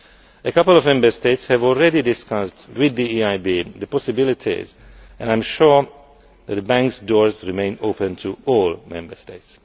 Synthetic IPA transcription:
əkʌpəl̩ɔvmɛ̃mbə˞steɪtshævɔlˠɹɛdidɪskʌsdwɪd̪iiaɪbiðəpɔsɪbɪlɪtʰḭzʔɛ̃ñãɪ̃mʃuɹ | ðɛt̪̚dəbæ̃ŋksdɔɹzɹimẽɪ̃nopə̃ntʰuɔlˠmɛ̰̃mbə˞steɪts

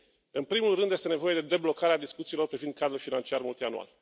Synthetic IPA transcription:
ɨnpɾimulrɨnd̪jest̪e̞ne̞vo̞je̞d̪e̞d̪e̞blo̞kaɾead̪iskut̪siːlo̞rpɾivind̪̚kad̪ɾulfinant͡ʃiarmult̪ianṵa̰l

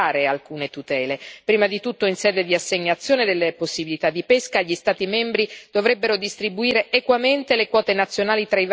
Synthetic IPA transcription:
aːɾealkuːnet̪ut̪ɛːlepɾiːmad̪it̪ut̪ːoinsɛːd̪ed̪iasːeɲːat̪sːjoːned̪elːeposːibilit̪ad̪ːipeskaʎːist̪aːt̪imɛmbɾid̪̥ovɾɛbːeɾod̪ist̪ɾibuiːɾeːkwament̪elekwɔːt̪enat̪sːjonaːlit̪ɾaiv

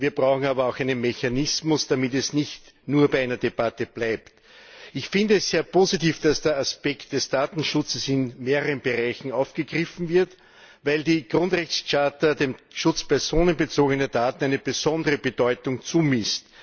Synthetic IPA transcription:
viːɐb̥ʁaʊxŋ̩aːbɐɑʊxæɪnənmeçanɪsmʊsd̥amɪt̬ɛsnɪçt | nuːɐbaɪʔæɪnɐdeb̥atəb̥læɪpt | ɪçfɪndəɛsz̥eːɐpʰoːzitiːfd̥asd̥eːɐaspɛkt̚d̥ɛsd̥aːtn̩ʃʊt͡səsɪnmeːʁəʁənbəʁaɪçn̩aʊfɡ̥əɡʁɪfn̩vɪɐt | væɪldiːɡ̥ʁʊ̃ntʁɛçst͡ʃaːtədeːmʃʊt͡spɛɐzoːnənbət͡soːɡənəɐd̥aːtn̩æɪnəb̥əzɔndəʁəbədɔʏtʊŋt͡suːmɪst

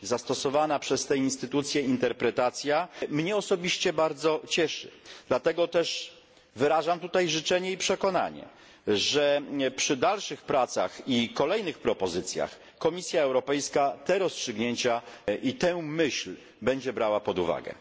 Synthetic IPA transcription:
zast̪ɔsɔvanapʂɛst̪ɛinst̪ɘt̪ut̪sʲjɛint̪ɛɾpɾɛt̪at̪sʲjamɲɛɔsɔbʲiɕt͡ɕɛbaɾd̪zɔt͡ɕɛʂɘ̰d̪lat̪ɛɡɔt̪ɛʂ | vɘɾaʐamt̪ut̪ajʐɘt͡ʂɛɲɛipʂɛkɔna̰ɲɛ̰ | ʐɛpʂɘd̪alʂɘxpɾat̪sa̰xikɔlɛjnɘxpɾɔpɔzɘt̪sʲja̰x | kɔmʲisʲjaɛwɾɔpɛjskat̪ɛɾɔstʂɘɡɲeɲt͡ɕaʔit̪ɛmɘɕl | bɛɲd͡ʑɛbɾawapɔd̪uva̰ɡɛ̰

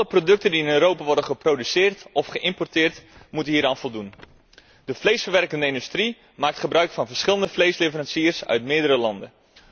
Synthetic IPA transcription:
ɑlˠəprodɵk̚təndiɪnøːɾowpaʋɔɹdəχəprodysɪːrtɔfχəʔɪmpɔrtɪːrtmutənɦiːɾaːnvɔlˠdun | dəflejsfəɹʋɛrkəndəɪndystri | maːk̚tχəbrœɥkfɑnvərsχɪlˠəndəflejslevərɑnsiːrsœ̰ɥtmɪːdəɾəlɑndə̰

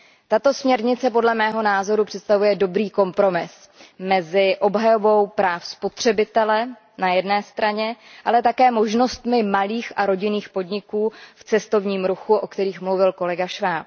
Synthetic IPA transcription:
t̪at̪o̞smɲɛɾɲɪt͡sɛp̬o̞dlɛmɛːɦo̞naːzo̞ɾupr̝̥ɛt̪st̪avujɛdo̞bɾiːko̞mpɾo̞mɪs | mɛzɪʔo̞bɦajo̞vo̞wpɾaːfspot̪r̝̥ɛbɪt̪ɛlɛ | najɛdnɛːst̪ɾaɲɛʔalɛt̪akɛːmo̞ʒno̞st̪mɪmaliːxaɾo̞ɟɪniːxpo̞dɲɪkuːft͡sɛst̪o̞vɲiːmɾuxuʔo̞kt̪ɛɾiːxmluvɪlko̞lɛɡaʃvaːp̚

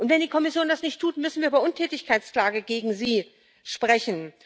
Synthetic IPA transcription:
ʔʊntv̥ɛndiːkʰɔmɪsjoːndasnɪçtʰːuːtmʏsn̩viːɐʔyːbɐʔʊntʰɛːtɪçkʰaɪt͡skl̥aːɡəɡeːɡŋ̩ziː | ʃpʁ̥ɛçn̩

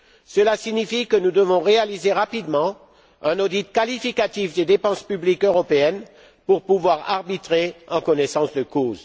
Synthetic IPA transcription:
səlasiɲifikənud̪əvɔ̃ʁealizeʁapid̪mɑ̃ | ɛ̃nɔd̪it̪̚kalifikat̪ifd̪ed̪epɑ̃spyblikøʁɔpeɛn | puʁpuvwaʁa̰ʁbit̪χeɑ̃kɔnɛsɑ̃sd̪əkoːz

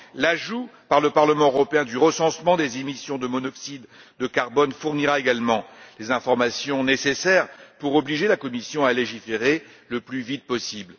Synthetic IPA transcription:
laʒupaʁləpaʁləmɑ̃øʁɔpeɛ̃d̪yʁəsɑ̃smɑ̃d̪ezemisjɔ̃d̪əmɔnɔksid̪ː | əkaʁbɔnfuʁniʁaeɡalmɑ̃lezɛ̃fɔʁmasjɔ̃nesesɛʁpuʁɔbliʒelakɔmisjɔ̃aleʒifeʁe | ləplyvit̪̚pɔsibl

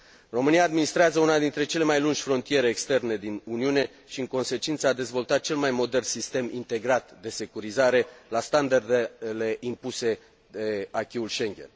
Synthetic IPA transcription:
ro̞mɨniaːd̪minist̪ɾeazəunad̪int̪ɾe̞t͡ʃe̞le̞majlund͡ʒʲfɾo̞nt̪ije̞ɾeːkst̪e̞rne̞d̪inuniune̞ | ʃiɨŋko̞nse̞t͡ʃint̪səad̪e̞zvo̞lt̪at̪̚t͡ʃe̞lmajmo̞d̪e̞rnsist̪e̞mḭnt̪e̞ɡɾat̪d̪e̞se̞kuɾizaɾe̞last̪and̪ard̪ele̞ʔimpuse̞ | d̪eakʲiulʃe̞ŋɡʲḛn

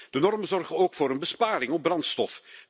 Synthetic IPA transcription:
d̥ənɔrmənzɔrɣənoːkfoːɾənbəspaːɾɪŋɔb̚brɑntstɔf

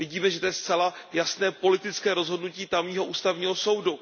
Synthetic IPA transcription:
vɪɟiːmɛʒɛt̪ojɛst͡sɛlajasnɛːpo̞lɪt̪ɪt͡skɛːɾo̞zɦodnuciːt̪amɲiːɦo̞ʔuːst̪avɲiːɦo̞so̞wdu

